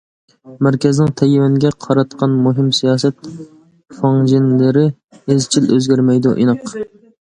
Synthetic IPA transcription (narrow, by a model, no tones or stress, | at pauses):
mæɾkʲɛznɪŋt̪ʰɛjwɛnɡʲɛqʰɑɾɑt̪̚qʰɑnmoɦɪmsijɑːsɛt̪ | fɑŋd͡ʒinlɪɾɪ | ezt͡ʃʰiløzɡʲæɾmɛjd̪uʔḭnɑq